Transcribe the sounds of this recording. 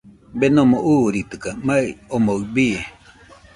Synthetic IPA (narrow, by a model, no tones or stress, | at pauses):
benõmoʔuːɾit̪ɨkamaiomoɯbie